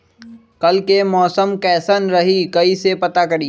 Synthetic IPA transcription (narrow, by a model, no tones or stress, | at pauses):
kɐlkemɔːsəmkɛːsənɾɐɦikɐisepɐt̪akɐɽiː